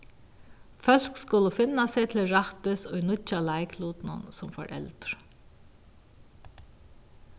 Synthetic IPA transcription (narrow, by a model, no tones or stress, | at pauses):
fœl̥kskʊləfɪnːaset̪ʰɪlɾaht̪ɪsɔjnʊt͡ʃalaɪkʰluːt̪nʊ̰nsʊmfɔ̰ɹʔɛ̰lt̪ɾ